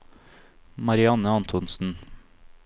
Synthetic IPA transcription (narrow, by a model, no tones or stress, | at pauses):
mɑɾɪɑnəɑnt̪ʰɔnsn̩